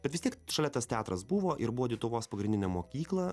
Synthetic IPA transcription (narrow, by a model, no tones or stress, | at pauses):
bʲɛt̪ʋʲɪst̪ʲiɛkʃɐlʲɛt̪ɐst̪ʲæːt̪ɾɐsbʊʋoːʔɪɾbʊʋɔːdʲit̪ʊʋoːspɐɡɾʲɪnʲdʲɪnʲɛmoːkʲiːklˠɐ